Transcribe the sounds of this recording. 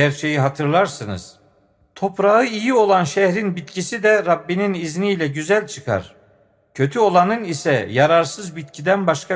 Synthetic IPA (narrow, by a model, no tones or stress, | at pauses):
æɾt͡ʃʰe̞jiɦat̪ʰɯɾlˠaɾsɯnɯ̰z̥ | t̪ʰo̞pɾaɯijio̞lˠanʃɛhɾinbit̪cʰisid̪ɛɾabːininizniːlʲɛɟyzælʲt͡ʃʰɯkʰa̰ɾ̥ | cʰø̞t̪ʰyo̞lˠanɯnisɛjaɾaɾsɯzbit̪cʰid̪ænbaʃkʰa